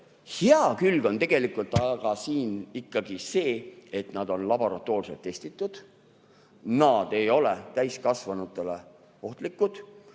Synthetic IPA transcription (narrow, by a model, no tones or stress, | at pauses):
heɑkylɡ̥o̞nt̪e̞ɡ̥e̞likult̪ːˑɑɡ̥ɑsiːnikːɑɡ̥ise̞ːe̞t̪nɑd̪̥o̞nlɑbo̞ɾɑt̪ːˑoːrselt̪ːe̞sʲt̪it̪ːˑud̪̥ | nɑːd̪e̞jo̞let̪æjskɑsvɑnut̪ːˑe̞le̞ | o̞ht̪likːˑud̪̥